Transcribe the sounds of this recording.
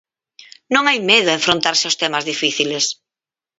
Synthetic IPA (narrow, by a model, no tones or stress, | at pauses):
nõŋajmeðʊeɱfɾont̪aɾsɪʊst̪ɛmazðifiθiles